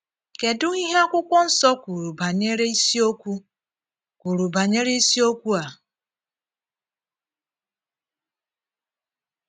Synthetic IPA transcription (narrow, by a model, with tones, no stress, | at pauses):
ke˨dʊ˦ŋi˦ɦe˦a˦kʷʊ˦kʷɔ˦n̩˦sɔ˦kʷu˨ɾu˨ba˨ɲe˦ɾe˦i˦si˦o˦kʷu˦ | kʷu˨ɾu˨ba˨ɲe˦ɾe˦i˦si˦o˦kʷu˦a˨